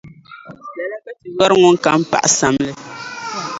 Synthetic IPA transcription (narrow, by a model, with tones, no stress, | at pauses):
lɛ˨la˦bɛ˦ti˨jɔ˦ɾŋʊ˦n˦ka˨˦m̩˦pa̰˨ʔa˨sa˨mlɨ˦